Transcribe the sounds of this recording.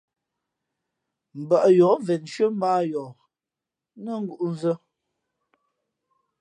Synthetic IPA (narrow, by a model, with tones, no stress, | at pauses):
m̩˨ba˨ʔjɔː˨˦vɛ˨nʃɥə˦m̩˦aː˦jɔ˨ | nə˦ŋ̩˦ɡu˦˨ʔu˦n̩˦zə˦